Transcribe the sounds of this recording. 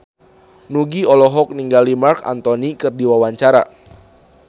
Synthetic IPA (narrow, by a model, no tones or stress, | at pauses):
nuɡiɔlɔɦɔk̚niŋɡalimarka̰nt̪ɔnikɨrdiwawaɲt͡ʃaɾa̰